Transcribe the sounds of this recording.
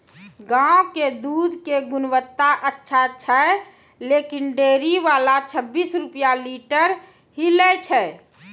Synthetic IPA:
ɡãoked̪uːd̪ʱkeɡʊnʋət̪ːaʔətːʃʰat͡ʃːʃʰə | lekinɖeɾiʋalat͡ʃʰəbːisɾupjaliʈəɾ | ɦilɛt͡ʃʰɛ

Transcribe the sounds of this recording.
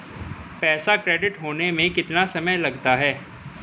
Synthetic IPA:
pɛːsakɾeːɖɪʈɦoːnemẽkɪt̪nasɐməjlɐɡt̪aɦɛː

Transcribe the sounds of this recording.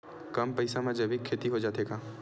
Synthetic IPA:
kɐmpɐɪsamẽd͡ʒɐbikʰːeːt̪iɦod͡ʒaːt̪eːɡaː

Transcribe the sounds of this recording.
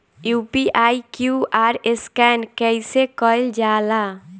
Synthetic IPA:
juːpiʔaːikjuːʔaːɾeskɛːnkɛɪsekɔɪld͡ʒaːla

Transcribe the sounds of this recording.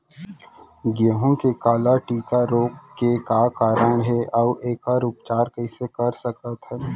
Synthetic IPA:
ɡeːɦõkekaːlaʈiːkaɾoːkkːekakaːɾəɽ̃ɦɛʔɐʋʔeːkaɾuːpt͡ʃaːɾkəɪsekɐɾsəkət̪ɦɛː

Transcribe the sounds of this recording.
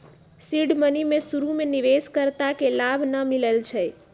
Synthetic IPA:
siɖmənimẽsuɾumeniʋeskəɾt̪akelabʱnəmiləlt͡ʃʰɛ

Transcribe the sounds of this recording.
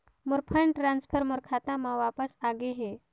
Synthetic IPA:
muɾpʰəɳʈɾansfʰəɾmuɾkʰat̪amaʋapəsaɡeɦe

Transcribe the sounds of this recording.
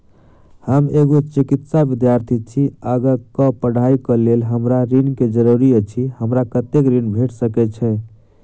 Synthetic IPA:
həmeɡot͡ʃikit̪sabid̪jaɾt̪ʰit͡ʃʰiəɡəkəpəɽ̤aikəlelɦəmɾaɾinked͡ʒəɾuɾiət͡ʃʰihəmɾakət̪ːekɾinbʱeʈsəkɛt͡ʃʰɛ

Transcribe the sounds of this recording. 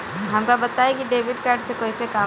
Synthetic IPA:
ɦɐmkabɐt̪aekiɖeːbɪɖkaːɾɖsekoːisekaː

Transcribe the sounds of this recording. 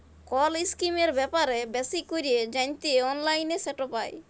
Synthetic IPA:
kɔliskimeɾbɛpaɾebɛsikoɾied͡ʑajnt̪ieɔnlajnesɛʈopaj

